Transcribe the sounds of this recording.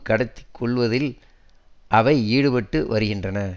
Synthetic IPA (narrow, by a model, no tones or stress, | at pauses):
kːɐɽɐt̪ːɪ̥kʰːɔɭʋɐðɪl | ʔɐʋɐɪiːɽɯpɛʈːɯʋɐɾɯɣɪndrɐnɐ